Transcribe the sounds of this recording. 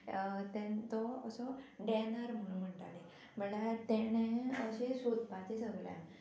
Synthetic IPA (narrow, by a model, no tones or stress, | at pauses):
t̪ɛ̃nt̪ɔəsɔɖɛnaɾm̤əũm̤əɳʈ̪a̰le | məlat̪ɛñẽəɕesud̪pat͡ɕesəɡlja̰